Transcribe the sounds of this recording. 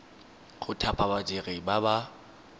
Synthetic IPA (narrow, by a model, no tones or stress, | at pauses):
ɣʊtʰapʼabad͡ʒʼeɣɪbaba